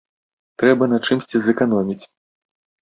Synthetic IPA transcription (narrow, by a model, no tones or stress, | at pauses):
t̪ɾɛbɐnat͡ʂɨmsʲt͡sʲizɛkanɔmʲit͡sʲ